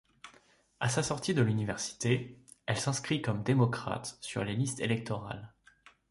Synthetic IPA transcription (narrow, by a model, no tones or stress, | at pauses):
asasɔʁt̪id̪əlynivɛʁsi̥t̪e | ɛlsɛ̃skχikɔmd̪emɔkχa̰t̪sy̰ʁlelist̪elɛk̚t̪ɔʁa̰l